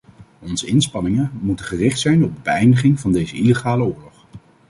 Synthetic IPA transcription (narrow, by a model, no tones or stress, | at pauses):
ɔnzəɪnspɑnɪŋəmutəχərɪχtsɛjnɔb̚dəbəɛjndəχɪŋvɑndejzəileχaːləʊːɹlɔχ